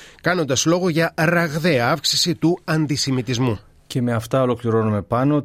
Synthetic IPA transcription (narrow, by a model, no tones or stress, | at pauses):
kɐno̞nd̪ɐslo̞ɣo̞ʝɐɾɐɣðe̞ɐɐfksi̥sit̪uɐnd̪isimit̪izmu | ce̞me̞ɐft̪ɐo̞lo̞kliɾo̞nume̞pɐno